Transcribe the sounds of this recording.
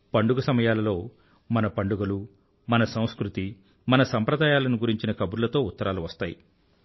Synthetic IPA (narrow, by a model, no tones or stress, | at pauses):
pɐɳɖuɡɐsɐmɐjaːlɐlo̞ː | mɐnɐpɐɳɖuɡɐlu | mɐnɐsɐ̃w̃skɾut̪i | mɐnɐsɐmpɾɐd̪aːjaːlɐnuɡuɾiɲt͡ʃinɐkɐbuɾulɐt̪o̞ːut̪ːɐɾʔaːluʋɐst̪aːjḭ